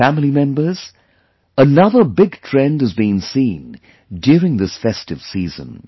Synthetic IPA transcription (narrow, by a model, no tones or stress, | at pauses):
æml̩ˠimɛ̃mbə˞z̥ | ənʌðə˞bɪɡ̚tʰɹ̥ɛ̃ndɨzbĩnsĩn | djʊɹɪ̃ŋðɪsfɛstɨv̥sizə̰̃n